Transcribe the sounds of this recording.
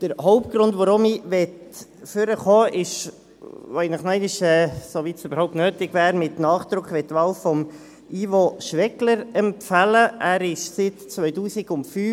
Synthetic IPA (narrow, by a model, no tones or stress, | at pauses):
d̥əɾhɔʊpt̚ɡ̥ɾʊndʋɔɾʊmiʋɛtfʏɾəχɔːʔɪʃ | ʋoɪnəχnɛɪnɪʃɛːsoʋiːtsøb̥əɾhɔʊptnøːtɪɡvæːɾmɪtnɑːχd̥ɾʊkʰχʋɛt̪ːʋɑlfɔm | ivoʃʋɛkləɾɛmpfæləæːɾɪʃsɪtt͡sʋœʏtuːsɪɡʊntfyː